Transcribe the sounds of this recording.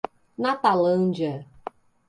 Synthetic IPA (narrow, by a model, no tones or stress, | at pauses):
nat̪alɐ̃nd͡ʒiɐ